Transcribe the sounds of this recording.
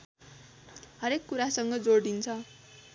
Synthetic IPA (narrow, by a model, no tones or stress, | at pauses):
ɦʌɾekːuɾasʌŋɡʌd͡zoɽd̪int͡sʰʌ